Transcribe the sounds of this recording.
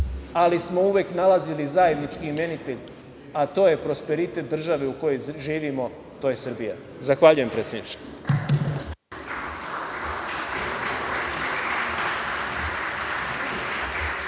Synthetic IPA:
alismo̞uʋjeknalazilizaːje̞d̪nit͡ʃkime̞nit̪e̞ʎ | at̪o̞ːje̞pɾo̞spe̞ɾit̪e̞t̪̚d̪r̩ʒaʋe̞uko̞jo̞jʒiːʋimo̞ | t̪o̞ːje̞sɨrbija̰ | zaxʋaʎujempɾeːt̪sʲjed̪nit͡ʃe̥

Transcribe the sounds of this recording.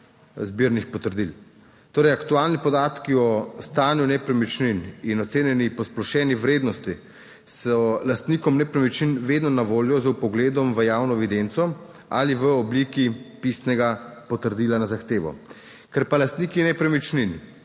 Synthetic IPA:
zbiːɾnixpɔt̪əɾd̪il | t̪oːɾɛjakt̪uaːlnipɔd̪aːt̪kiɔst̪aːnjunɛpɾɛmit͡ʃnininɔt̪seːnjɛnipɔsplɔʃɛːniʋɾeːd̪nɔst̪i | sɔlast̪niːkɔmnɛpɾɛmit͡ʃninʋeːd̪nɔnaʋoːljɔzwpɔɡleːd̪ɔmʋəjawnɔɛʋid̪ent̪sɔ | aliʋəɔbliːkipist̪nɛɡapɔt̪əɾd̪iːlanazaxt̪eːʋɔ̰ | kɛɾpalast̪niːkinɛpɾɛmit͡ʃnin

